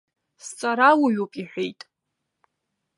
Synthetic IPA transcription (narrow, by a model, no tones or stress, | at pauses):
st͡sʼaɾawuɥupʼiħʷᶣejtʼ